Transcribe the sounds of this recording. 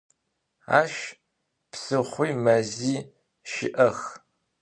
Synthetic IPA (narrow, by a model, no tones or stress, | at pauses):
a̰ːʃ | psɨχʷijmɐziː | ʃɪ̰ʔɐx